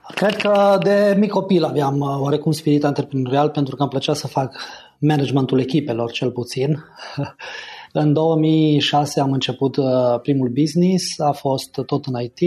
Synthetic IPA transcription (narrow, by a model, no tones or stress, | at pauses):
kɾe̞d̪kəd̪e̞mikːo̞pilaveamwaɾe̞kummspiɾit̪ant̪e̞rpɾenoɾialpe̞nt̪ɾukamplət͡ʃat̪səfak | menad͡ʒment̪ule̞kʲipe̞lo̞rt͡ʃe̞lput̪sin | ɨnd̪o̞wəmijʃase̞amɨnt͡ʃe̞put̪pɾimulbiznisafo̞st̪ːo̞t̪ɨnait̪i